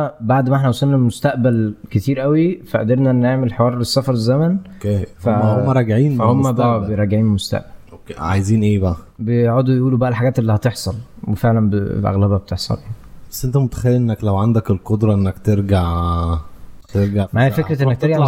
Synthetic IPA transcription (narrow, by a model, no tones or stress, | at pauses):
baʕd̪mæʔeħnæʔowsˤɑlnːælmost̪æʔbælket̪iːɾʔæwifæʔd̪eɾnæʔenːʔeʕmelħewɑːɾˤlesːæfɑɾˤezːæmæn | efæhomːæɾˤɑɡʕiːnhomːæbææbejɾˤɑɡeʕiːmelmost̪æ̰ʔbælokeʕajziːnʔeːbæʔæbeeʕod̪ujʔuːlubæʔælħaɡæːt̪ʔelːihæt̪eħsˤɑlwefeʕlænbelʔæ̰ɣlæbæbet̪eħsˤɑ̰ljanibæsːʔent̪æmot̪æ̥xæjːlʔenːæklæwʕand̪ækelqod̪ɾˤɑʔenːækt̪eɾɡaʕ | t̪eɾɡaʕmʕæjfekɾt̪ʔenːæk̚t̪eɾɡaʕ